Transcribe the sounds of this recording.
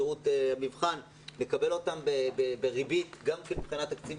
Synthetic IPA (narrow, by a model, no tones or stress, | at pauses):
iut̪amivχan | le̞kabe̞lo̞tambebebeʁibit̪ɡamkenibχinat̪akt͡siv